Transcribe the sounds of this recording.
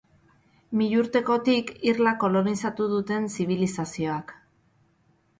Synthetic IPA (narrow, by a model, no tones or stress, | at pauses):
miʎuɾt̪e̞ko̞t̪ikiɾlako̞lo̞nisat̪uðut̪e̞nsiβ̞ilisasio̞ak